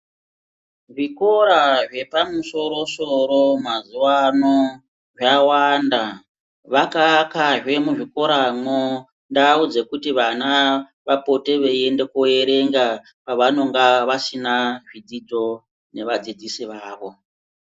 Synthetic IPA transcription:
ʐiko̞ɾaʐe̞pamuso̞ɾo̞soɾo̞mazuwano | ʐawanda | ʋakakaʐwe̞muʐiko̞ɾamo | ndaud͡ze̞kutiʋana | ʋapo̞te̞ʋe̞e̞nde̞koe̞ɾe̞ŋɡa | paʋano̞ŋɡaʋasinaʐid͡zid͡zo̞ | ne̞ʋad͡zid͡zisiʋaːʋo̞

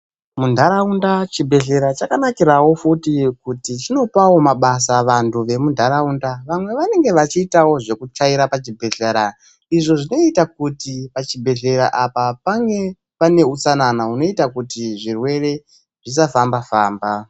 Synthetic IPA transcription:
mundʱaɾaundat͡ʃibʱe̞ɮe̞ɾat͡ʃakanakiɾawo̞futikutit͡ʃino̞pawo̞maɓasaʋantʰuʋe̞mundʱaɾaundaʋamwe̞ʋane̞ŋɡe̞ʋat͡ʃiːtawo̞ʐe̞kut͡ʃaiɾapat͡ʃibʱe̞ɮeɾa | iʐo̞ʐino̞itak̚utipat͡ʃibʱe̞ɮe̞ɾa̰ʔapapaŋɡe̞ | pane̞ut͡sananauno̞itakutiʐirwe̞re̞ | ʐis̬afambafaːmba

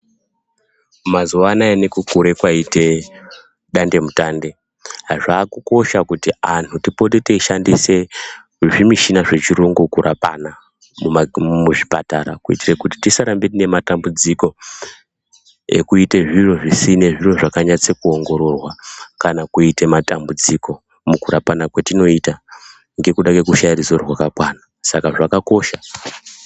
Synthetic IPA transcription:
mazuʋanaenekukuɾe̞kwaite̞ | ɗande̞mutaːnde̞ | ɦaʐaːkuko̞ʃakutiantʰutipo̞teteiʃandise̞ | ʐimiʃinaʐe̞t͡ʃiɾoŋɡukurʔapa̰na | mumuʐipa̰taɾa̰kuḭtirekuti̥tisaɾambetine̞matambud͡ziko̞ | ḛkuite̞ʐiro̞ʐisine̞ʐiro̞ʐakaɲat͡sekuo̞ŋɡo̞ɾo̞rwakanakuite̞matambud͡ziko̞ | mukuɾapanakwetino̞ita | ŋɡe̞kuɗakwe̞kuʃairisorwakakwaːna | sakaʐakako̞ːʃa

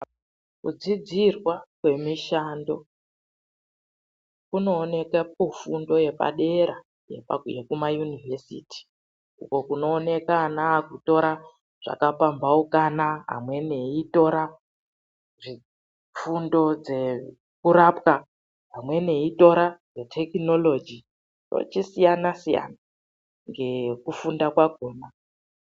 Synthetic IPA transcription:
kud͡zid͡zirwakwe̞miʃando̞ | kuno̞ːne̞kapufundo̞je̞pa̰ɗe̞ɾa | jḛpjekumajunivesḭːti̥ | ṵko̞kuno̞ːne̞kanaːkuto̞ɾa | ʐ̥a̰kapambaukanaɦa̰mwe̞ne̞ito̞ɾa | ʐi | fundo̞d͡ze̞ | kuɾapka | ɦamwe̞ne̞ito̞ɾaretʰe̞kino̞lo̞d͡ʒi | jo̞̰t͡ʃisijanasija̰na | ŋɡe̞kufundakwaɡʱoːma

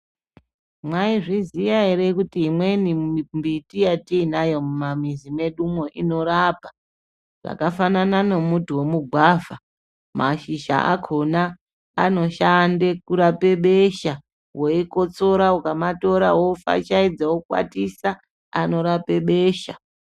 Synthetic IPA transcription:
mwaiʐizijaeɾekutiɦimwe̞nimbitijatiːnajo̞mumamizime̞ɗumwo̞ʔino̞ɾaːpa | ʐa̰kafanananomutuwo̞muɡʱwava | maʃiʃa̰ʔa̰kʰonaː | no̞ʃandekuɾape̞ɓeʃa | woiko̞t͡so̞ɾaukamato̞ɾa̰wofa̰t͡ʃaid͡zawokwa̰tisa | ano̞ɾape̞ɓe̞ːʃa

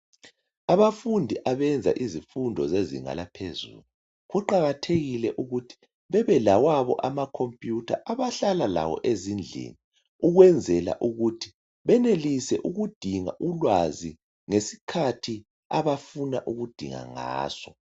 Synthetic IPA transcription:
aβafundʱiʔaβɛnd͡zʱa̰ʔizifundʱɔ̰zezḭŋa̰lapʰezṵlu | ɣuǃaɣatʰeɣilɛʔuɣutʰi̥ | βɛβɛlawaβɔʔamakʰompʼjutʰa̰ʔaβaɬalala̰wɔ̰ʔezind͡ɮʱḛni | uɣwɛnd͡zʱɛla̰ʔuɣutʰi̥ | βɛnelisɛʔuɣud̥ʱiŋa̰ʔulwazi | ŋesi̥kʰatʰi | aβafuna̰ʔuɣud̥ʱiŋa̰ŋa̰ːsɔ

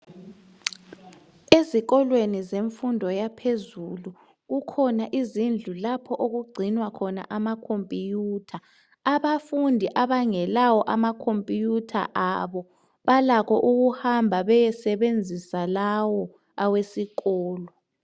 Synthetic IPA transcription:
eziɣɔlwenizeɱfundʱɔjapʰezulu | ɣukʰɔnaʔizind͡ɮʱulapʰɔʔoɣuɡ͡ǀʱinwakʰɔna̰ʔamakʰompʼijuːtʰaː | βafundʱiʔaβaŋɛlawɔʔamakʰompʼijutʰa̰ʔaβɔ | βalakʰɔʔuɣuhambʱaβɛjɛsɛβend͡zʱisalawɔ | awesiɣɔːlɔ

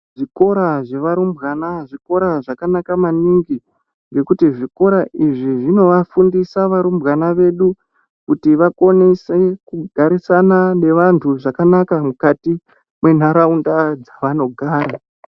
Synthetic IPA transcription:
ʐ̥iko̞ɾaʐe̞ʋaɾumbɣanaʐiko̞ɾaʐakanakamaniŋɡi | ŋɡe̞kutiʐiko̞ɾaʔiʐiʐino̞ʋafundisaʋaɾumbɣanaʋe̞ɗu | kutiʋako̞nesekuɡʱaɾisanane̞ʋantʰuʐakanakamukati | mwe̞n̤aɾaundad͡zaʋano̞ɡʱaːɾa

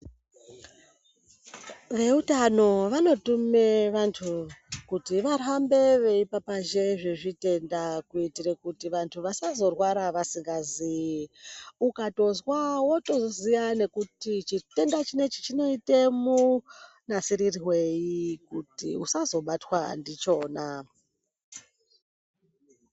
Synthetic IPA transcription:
ʋe̞utano̞ʋano̞tumeʋantʰukutiʋarambe̞ʋe̞ipapaʒe̞ʐiʐite̞ndakuitirekutiʋantʰuʋasazo̞rwaɾaʋasiŋɡazi | ukato̞zwawoto̞zozijane̞kutit͡ʃite̞ndat͡ʃine̞t͡ʃi̥t͡ʃino̞ite̞mu | nasiɾiriwe̞jikutḭusazo̞ɓatwandit͡ʃo̞ːna

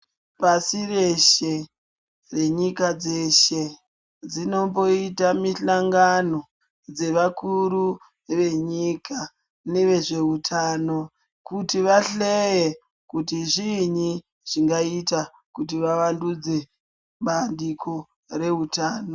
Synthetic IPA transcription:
pasireʃe | re̞ɲikad͡ze̞ʃe̞ | d͡zino̞po̞itamiɬaŋɡano̞ | d͡ze̞ʋakuɾu | ʋe̞ɲikʰa | neʋe̞ʐe̞utʰaːno̞ | kutiʋaɬeje | kutiʐiɲi | ʐ̥iŋɡaita | kutiʋaʋandud͡ze̞ | ɓandikʰo | re̞utaːno

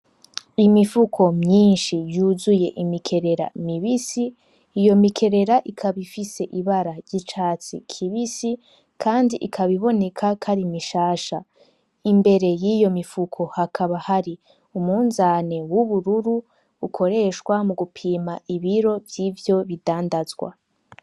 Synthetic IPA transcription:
imifukʰo̞mɲiːnʃijuːzuje̞ʔimikʰe̞ɾe̞ɾa̰miβisiː | jo̞mikʰe̞ɾe̞ɾaʔikʰaβifise̞ʔiβaɾaɾɟit͡ʃaːt͡sḭkʰiβisi | kʰaːndiʔikʰaβiβo̞ne̞kʰakʰaɾimiʃaːʃa | imbe̞ɾe̞jijo̞mifukʰo̞hakʰaβahaɾi | umuːnzane̞wuβuɾuɾuː | kʰo̞ɾe̞ʃwamuɡupʰiːmaiβiɾo̞vjiːvjo̞βidaːndazɡwa̰

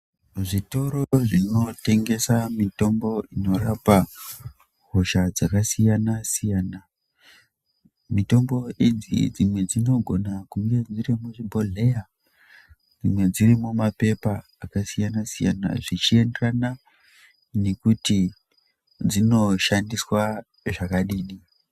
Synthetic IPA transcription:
ʐito̞ɾoʐino̞te̞ŋɡe̞samito̞mbo̞ino̞rapa | ɦoʃad͡zakasijanasijaːna | mito̞mbo̞id͡zḭd͡zimwe̞d͡zino̞ɡʱo̞nakuŋɡe̞d͡zirimuʐibʱo̞ɮeja | d͡zimwe̞d͡zirimumape̞paːkasijanasija̰na̰ʐit͡ʃie̞nderana | ne̞kuti | d͡zino̞ʃandiswa | ʐakaɗiːɗi

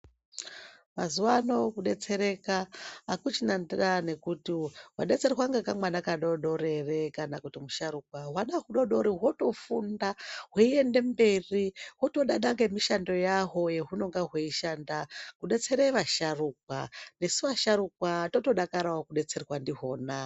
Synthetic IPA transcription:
mazuwano̞kuɗe̞t͡se̞ɾe̞kaːkut͡ʃinandirane̞kutiɦwa̰ɗe̞t͡se̞rwaŋɡekamwanakaɗoɗo̞re̞re̞kanakutimuʃaɾukwaɦwaɗaɦuɗo̞ɗo̞ɾiɦwo̞to̞fundaɦoie̞nde̞mbe̞riwo̞to̞ɗaɗaŋɡemiʃando̞jaɦo̞je̞ɦuno̞ŋɡaɦweiʃandakuɗe̞t͡se̞ɾeʋaʃaruk̚wane̞siʋaʃaɾuk̚watoto̞ɗakaɾawokuɗe̞t͡se̞rwandiɦo̞ːna

